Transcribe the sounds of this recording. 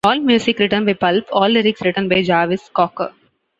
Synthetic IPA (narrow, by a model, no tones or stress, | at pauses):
ɔːlmjuːsɪkɾɪʈənbaɪpɐlpɔːlːɪɾɪksɾɪʈə̃nbaɪd͡ʒaːʋɪskɔːkə̰